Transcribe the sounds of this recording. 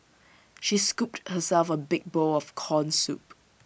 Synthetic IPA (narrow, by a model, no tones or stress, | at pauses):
ʃiskup̚thəsɛlfəbɪk̚boɔfkʰɔ̃nsṵp̚